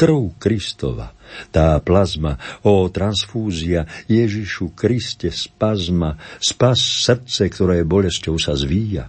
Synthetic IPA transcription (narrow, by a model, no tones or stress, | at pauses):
t̪r̩ɦʊkɾist̪ɔ̰ʋa̰t̪aːplazmaɔːt̪ɾansfuːziajɛʒiʃukɾiscɛspazmaspasːr̩t͡sɛkt̪ɔɾɛːɛbɔʎɛscɔʊsazʋiːja̰